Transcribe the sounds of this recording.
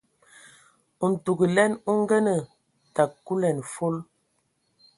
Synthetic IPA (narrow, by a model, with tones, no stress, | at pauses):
u˨n̩˨tu˨ɡə˨lɛ˦nu˦ŋ˦ɡɛ˦nə˨ | ta˨kːu˦lɛ˨n˨fo˦l